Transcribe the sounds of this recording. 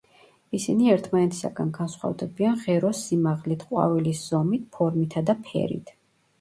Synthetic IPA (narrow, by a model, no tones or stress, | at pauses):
isiniɛɾt̪ʰmanɛt̪ʰi̥sa̰ɡanɡansχwa̰vd̪ɛbianʁɛɾɔsːimaʁlit̪ʰqʼwa̰vilisz̥ɔmit̪̚ʰpʰɔɾmit̪ʰad̪apʰɛ̰ɾḭt̪ʰ